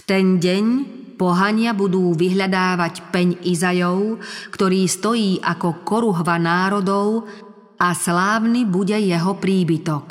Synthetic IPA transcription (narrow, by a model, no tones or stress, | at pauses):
ft̪ɛnɟɛɲ | pɔɦaɲɪabud̪uːʋiɦʎad̪aːʋacpɛɲʔizajɔʊkt̪ɔɾiːst̪ɔjiːʔakɔkɔɾuɦʋanaːɾɔd̪ɔʊ | aslaːʋnibuɟɛjɛɦɔpɾiːbit̪ɔk